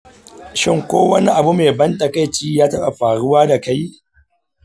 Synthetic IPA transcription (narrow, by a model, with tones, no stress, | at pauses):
ʃɪ˦˨ŋkʷo̰ː˦wɐ˦ni˦ʔa˨bu˦meː˨bɐ˦ntʼɐ˨ka˦jt͡ʃiː˦jaː˦tɐ˦ɓa˨ɸaː˨ɽʊ˦waː˦da˨ka˦j